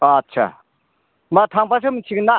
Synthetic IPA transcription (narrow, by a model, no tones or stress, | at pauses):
at͡ʃʰa̰ | mat̪ʰaŋpas̬ʰɯmt͡ʃʰik̚na